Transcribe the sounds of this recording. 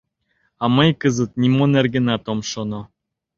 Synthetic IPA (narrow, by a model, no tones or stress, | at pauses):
ɑmɤjkɤzə̆t̪̚nimonerɡɘ̆nɑt̪omʃonŏ